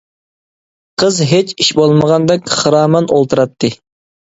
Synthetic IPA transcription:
qʰəzɦet͡ʃiʃbolˠməʁɑnd̪ɛkʲχɨɾɑːmɑnolˠt̪ʰɨɾɑt̪ʰːɨ

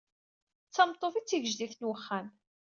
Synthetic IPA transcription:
t͡sːɑmt̪ˤːofit͡sːiʝəʒd̪iθnwəχːæm

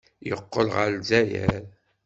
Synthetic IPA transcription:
jəqːəlʁəlzæjæ̰ɾ

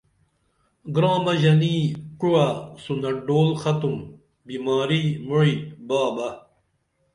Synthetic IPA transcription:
ɡɾãːmɐʑɐniːkuwasunɐɖoːlxɐt̪um | bimaːɾiːmuɻibaːbɐ

